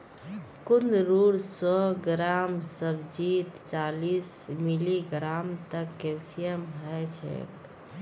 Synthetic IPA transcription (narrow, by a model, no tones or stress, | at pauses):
kund̪ɾuɾsɔɡɾamsəbd͡ʒit̪t͡ʃalismiliɡɾamt̪əkːelsijəmɦət͡ʃʰɛ̰k